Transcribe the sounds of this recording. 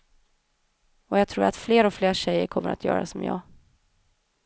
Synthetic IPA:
ɔjɑɡ̚t̪ʰɾuːɾat̪fleːɾɔfleːʂɛjəɾkʰɔmːəɾa̰t̪ʰjœ̰ːɾasɔmjɑ̰ːɡ

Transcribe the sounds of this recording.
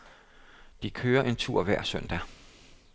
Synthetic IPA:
d̥ikʰøːɐʔe̝nt͡sʰuɐ̰ʋæɐ̰sœn̰d̥æ

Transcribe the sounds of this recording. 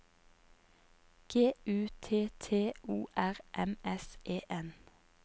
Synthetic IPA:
ɡ̥eːʉːt̪ʰeːt̪ʰeːuːʔæʁʔɛmɛsʔeːʔɛn

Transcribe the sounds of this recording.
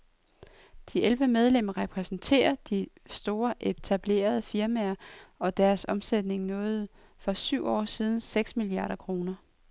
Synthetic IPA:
d̥iʔelʋəmeð̞ˠlem̰ɐʁɛpʰʁɛsn̩t͡sʰe̝̰ːɐd̥isd̥o̝ːɐʔet͡sʰæb̥le̝̰ːɐð̞ˠəfiɐmæɐɒ̽d̥æɐsɒ̽msed̥ne̝ŋnɔ̽ːð̞̩ˠ | fɒ̽syʊ̰ɒ̰ːsiːð̞ˠn̩seɡ̥smiliɑ̈ːɾ̥ɐkʰʁo̝ːnɐ

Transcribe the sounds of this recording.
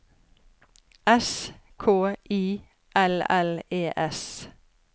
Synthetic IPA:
ʔɛskʰoːʔiː | ʔɛlɛleːʔɛs

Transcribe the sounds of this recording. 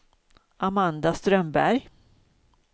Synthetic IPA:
ʔamand̪ast̪ɾœmbæɾj

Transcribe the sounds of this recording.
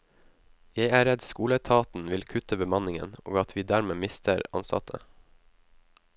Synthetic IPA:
jeɪæːɾɛd̪skuːlət̪ʰɑːt̪n̩ʋɪlkʰʉt̪əbəmɑnɪŋə̰no̰ːɡɑt̪ʰʋiːd̪æːɾmeːmɪst̪ʰəɾɑ̰nsɑ̰t̪ʰə̰

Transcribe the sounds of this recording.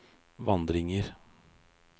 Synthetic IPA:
ʋɑnd̪ɾɪŋəɾ

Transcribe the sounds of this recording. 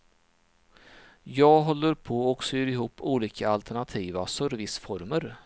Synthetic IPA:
jɑːɡɦɔlːəɾpʰɔɔksɔjøːɾɪɦuːpːuːliːkaalt̪ʰɛɳat̪ʰiːvasœɾvɪsfɔɾməɾ

